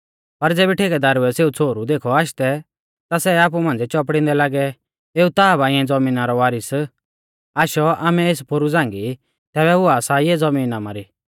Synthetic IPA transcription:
pɐɾd͡zeːbɛʈʰeːɡɛd̪aːɾuɛseːut͡sʰoːɾud̪eːkʰɔaːʃt̪ɛ | t̪asɛaːp̬umãːnd͡zɛt͡ʃɔp̬ɽɪ̃nd̪ɛlaːɡɛ | eːut̪aːbaːɪ̃ɛ̃d͡zɐmĩːnaɾɔʋaːɾɪs | aːʃɔaːmɛ̃eːspʰoɾud͡zãːŋɡi | t̪ɛːbɛʊaːsaiɛd͡zɐmiːnamaɾi

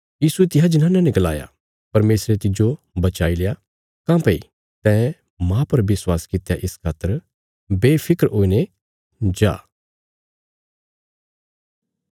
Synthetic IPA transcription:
jiːsuet̪ɪɦad͡ʒɪnãːnãnɪɡɐla̰ːja̰ | pɐɾmeːsɾet̪ɪd͡ʒo | bɐt͡ʃaːileja | kãːpɐi | t̪ɛ̃ː | mãpɐɾʋɪswaːskɪt̪jaʔɪskʰaːt̪ːəɾ | beːpʰɪkəɾoːine | d͡ʒa̰ː

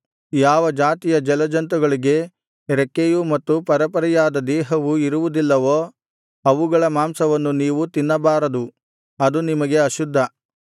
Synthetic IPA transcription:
jaːʋɐd͡ʒaːt̪ijɐd͡ʒɛlɐd͡ʒɐnt̪̬uɡɐɭiɡe̞ | ɾekːejumɐt̪ːupɐɾɐpɐɾijaːd̪ɐd̪ɛːɦɐʋuiɾuʋud̪ilːɐʋoː | ɐʋuɡɐɭɐmaːmsɐʋɐnːuniːʋut̪inːɐbaːɾɐd̪u | ɐd̪unimɐɡe̞ɐʃud̪ʱːɐ

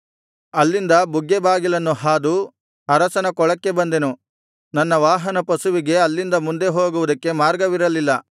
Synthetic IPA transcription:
ɐlːind̪ɐbuɡːebaːɡilɐnːuɦaːd̪u | ɐɾɐsɐnɐkɔɭɐkːe̞bɐnd̪enu | nɐnːɐʋaːɦɐnɐpɐsuʋiɡe̞ɐlːind̪ɐmund̪e̞ɦoːɡuʋud̪ɐkːe̞maːɾɡɐʋiɾɐlilːɐ

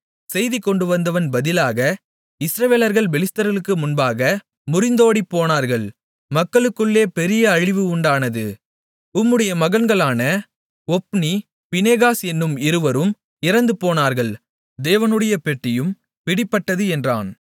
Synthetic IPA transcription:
sɛjðikːɔɳɖɯʋɐnd̪ɐʋɐnbɐðɪlaːɣɐ | ɪsɾɐʋeːlɐɾɣɐɭbɛlɪst̪ɐɾɐɭɯkːɯmʊnbaːɣɐ | mʊɾɪnd̪oːɽipːoːnaːɾɣɐɭ | mɐkːɐɭɯkːɯɭːeːpɛɾɪjɐːɻɪʋɯʊɳɖaːnɐðɯ | ʊmːɯɽɐjɐmɐɣɐnɡɐɭaːnɐ | ɔpːni | pɪneːɣaːsɛnːɯmɪɾɯʋɐɾɯm | ɪɾɐnd̪ɯpoːnaːɾɣɐɭ | d̪eːʋɐnɯɽɐjɐpɛʈːɪjɯm | pɪɽɪpːɐʈːɐðɯɛndra̰ːn

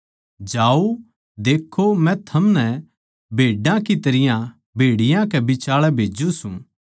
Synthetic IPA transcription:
d͡ʒaːo | d̪eːkʰːomɛ̃t̪ʰɐmnɛ | bʱeːɖãkit̪ɐɾɪjã | bʱeːɽɪjãkɛbɪt͡ʃaːɭɛbʱeːd͡ʒusṵ̃

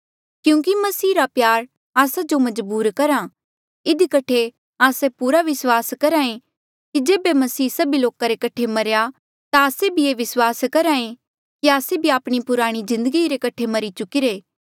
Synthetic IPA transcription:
kjũːk̬imɐsiːɾapjaːɾ | aːsad͡ʒomɐd͡ʒbuːɾkɐɾa | ɪd̪ikɐʈʰe | aːsepuːɾaʋɪswaːskɐɾãːẽ | kid͡ʒeːbemɐsiːsɐbiloːkaɾekɐʈʰemɐɾeja | t̪aaːsebʱieːʋɪswaːskɐɾaːẽ | kiaːsebʱiaːpɽ̃ipʊɾaːɽ̃izɪ̃nd̪əɡiɾekɐʈʰemɐɾit͡ʃʊkiɾeː

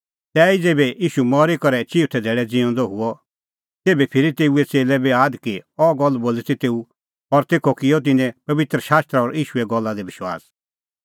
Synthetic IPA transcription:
t̪ɛːid͡zeːbɛiːʃumɔɾikɔɾɛt͡ʃiːt̪ʰɛd̪ʱeːɽɛd͡zɪɔ̃nd̪ɔɦʊɔ | t̪eːbɛpʰɪɾit̪eːuɛt͡seːlɛbeaːd̪kiɔɡɔlːboːlit̪it̪eːu | ɔɾt̪eːkʰɔkɪɔt̪̬ɪnɛ̃pɐʋɪt̪ɾəʃaːst̪ɾaɔɾiːʃuɛɡɔlːad̪ɛbɪʃwa̰ːs

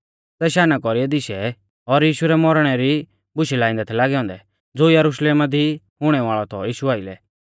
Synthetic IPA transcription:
tɛʃaːnakɔɾiɛd̪ɪʃɛ | ɔɾjiːʃuɾɛmɔɾɽ̃ɛɾi | bʊʃɛlaːɪ̃nd̪ɛt̪ʰɛlaːɡɛɔ̃ːnd̪ɛ | d͡zoːjɐɾʊʃleːmad̪i | ɦʊɽ̃ɛʋaːɭɔt̪ʰɔjiːʃuaːɪlɛ̰

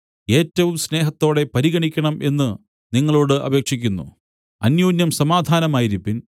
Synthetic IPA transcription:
e̞ːtːɐʋumsne̞ːɦɐt̪ːo̞ːɽe̞pɐɾiɣɐɳikʲːɐɳɐmʔe̞nːɨ | niŋːɐɭo̞ːɽɨʔɐ̰beːkʂik̬ʲːunːṵ | ɐnjoːnjɐmsɐmaːd̪ʱaːnɐmaːjiɾipːin

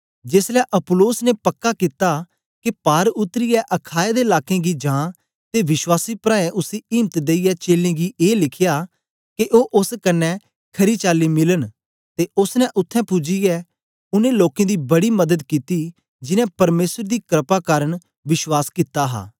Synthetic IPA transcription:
d͡ʒeːslɛːʔɐploːsnepɐkːaːkɪt̪aː | kepaːɾʊt̪ːɾijɛʔɐkʰaːed̪eːɪlaːkẽːɡid͡ʒãː | t̪eːʋɪʃwaːsiːpɾãːɛ̃ʔʊsiiːmt̪d̪eːijɛt͡ʃeːlẽːɡiːʔeːlɪkʰɪjaː | keʔoːʔʊskɐnːɛ̃ | kʰɐɾiːt͡ʃaːliːmɪlən | t̪eːʊsnɛ̃ʔʊt̪ʰːɛ̃pʊd͡ʒijɛ | ʊnẽloːkẽːd̪iːbɐɽiːmɐd̪əd̪kiːt̪iː | d͡ʒɪnɛ̃ːpɐɾmeːsəɾd̪iːkɾəpaːkaːɾəɳ̃ | ʋɪʃwaːskɪt̪ːaːɦa̰ː

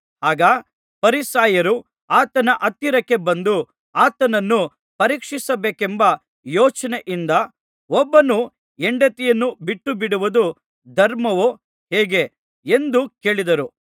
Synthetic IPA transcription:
aːɡɐ | pɐɾisaːjɐɾu | aːt̪ɐnɐʔɐt̪ːiɾɐkːe̞bɐnd̪u | aːt̪ɐnɐnːu | pɐɾiːkʂisɐbeːkembɐ | jɔːt͡ʃɐneʔind̪ɐ | ɔbːɐnu | eɳɖɐt̪ijɐnːubiʈːubiɽuʋud̪u | d̪ʱɐɾmɐʋo | heːɡe̞ | end̪uke̞ːɭid̪ɐɾu

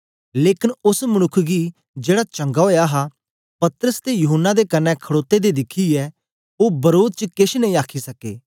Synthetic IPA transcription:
leːkɪnʊsmənʊkʰːɡi | d͡ʒeːɽat͡ʃɐ̃ŋɡaɦoːjaɦa | pɐt̪ɾəst̪ejʊɦənːad̪ekɐnːɛ̃kʰəɽoːt̪ːed̪ed̪ɪkʰiɛː | oːbɐɾoːd̪t͡ʃkɪʃnɐ̃ɦĩːaːkʰisɐkeː

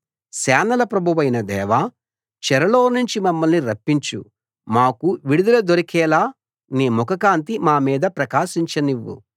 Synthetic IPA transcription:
sɛːnɐlɐpɾɐbʱɐʋɐjnɐd̪ɛːʋaː | t͡ʃɛɾɐloːnuɲt͡ʃimɐmːɐlniɾɐpːiɲt͡ʃṵ | maːkuʋiɽud̪ɐlɐd̪oɾikɛːlaː | neːmɔkɐkaːnt̪imaːmiːd̪ɐpɾɐkaːʃiɲt͡ʃɐniʋːṵ

